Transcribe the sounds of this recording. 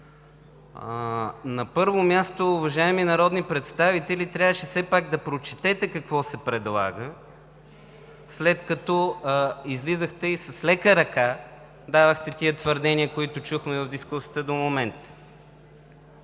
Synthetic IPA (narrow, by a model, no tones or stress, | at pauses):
nɐpɤɾvomʲjast̪oːvɐʒaɛminɐɾɔd̪nipɾɛt̪st̪avit̪ɛlit̪ɾʲavəʃɛsɛpaɡ̚d̪ɐpɾot͡ʃit̪ɛt̪ɛkɐkvɔsɛpɾɛd̪lˠa̰ɡə | slɛt̪kɐt̪ɔizlizəxt̪ɛisɐslɛkəɾɐka | d̪avəxt̪ɛt̪iət̪vəɾd̪ɛniəkoit̪ʊt͡ʃuxmɛvɐvd̪iskusiət̪əd̪omomɛnt̪